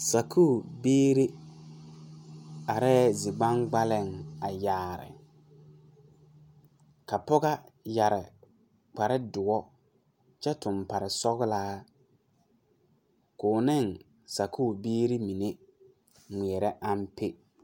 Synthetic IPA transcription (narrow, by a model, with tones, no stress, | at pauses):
sa˨kʰuː˦˨beː˦ɾe˦ | a˨ɾɛ˦zɪ˨ɡ͡ba˦ŋɡ͡ba˦lɪ˦˨ŋa˨jaː˨ɾɪ̰˨ | ka˨pɔ˦ɣa˦ja˨ɾɪ˨ | k͡pa˨ɾɪ˦dʊ˨ɔ˦ | t͡ʃɛ˦tʊ˨mpa˨ɾɪ˨sɔ˦ɣlaː˦ | kʊː˨nɪ˦˨ŋ | sa˨kʰu˦˨beː˦ɾi˦mi˨ne˦ | mi˨ɛ˨ɾɛ˦ʔa˦m˦pe˦